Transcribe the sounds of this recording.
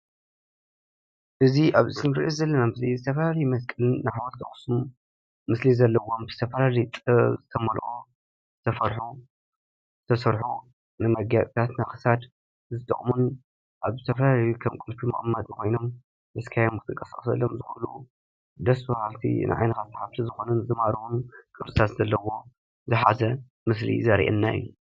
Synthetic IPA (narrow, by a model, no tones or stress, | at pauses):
ʔɨziʔaβʔɨsɨmɾʔezɐlːɐnamɨslizɨt̪ʰɐfɐlalɐjumɐskʼɨlɨnːaħawɐɾt̪ʰɐχʼsumː | ɨslizɐlːɐwombɨz̥ɨt̪ʰɐfɐlalijt̪ʼzɨt̪ʰɐmɐlʔʼo | zɨt̪ʰɐfɐɾħu | zɨt̪ʰɐsɐɾħu | nɨmɐɡaβʼt̪ʰat̪naxɨ̥sad̪ | zɨt̪ʼɨ̰χʼmun | ʔaβzɨt̪ʰɐfɐlalajukʰɐmkʼɨlfimɐχʼmːɐd̪kʰojno̞m | ʔɨskʰajomkɨt̪ʰɨkʼɐsɐ̰χʼsɐ̰lːomzɨxɐlṵ | d̪ɐsbɐhalt̪ʰḭnʔɨ̰ʕa̰jnɐt̪ʰat̪ʰːħaft̪ʰizɨxo̞nɨnzɨmaɾʔunkʼɨɾsʼɨt̪ʰat̪zɐlːɐwo̞ | zɨħazɐ | mɨs̬lḭzɐɾʔḛnːaɨ̰jːu